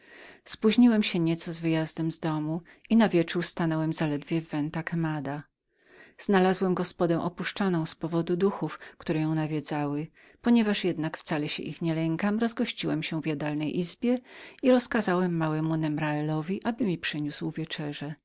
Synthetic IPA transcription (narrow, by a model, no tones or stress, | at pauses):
spuʑɲiwɛmɕɛɲɛt̪sɔzvɘjazd̪ɛmzd̪ɔmu | inavʲjɛt͡ʂuɾst̪anɔwɛmzalɛd̪vʲjɛvːɛnt̪akamad̪a | z̥nalazwɛmɡɔspɔd̪ɛ̃w̃ʔɔpuʂt͡ʂɔnɔ̃w̃spɔvɔd̪ud̪uxufkt̪uɾɛjɔ̃w̃navʲjɛd̪zawɘ | pɔɲɛvaʂjɛd̪nakft̪salɛɕɛ̰ʔixɲɛlɛŋkamɾɔzɡɔɕt͡ɕiwɛmɕɛvjad̪alnɛjʔizbʲjɛiɾɔskazawɛmːawɛmunɛmɾaɛlɔvʲiʔabɘmʲipʂɛɲuswvʲjɛt͡ʂɛʐɛ